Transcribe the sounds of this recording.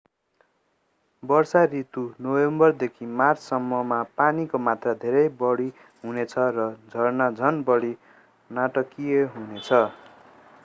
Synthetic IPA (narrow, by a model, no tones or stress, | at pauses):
bʌrsarit̪unowembʌrd̪ekʰimart͡sʰsʌmːʌmapanikomat̪rad̪ʱeɾʌjbʌɽi | ɦunet͡sʰʌrʌd͡zʱʌrnad͡zʱʌnbʌɽi | naʈʌkieɦunet͡sʰʌ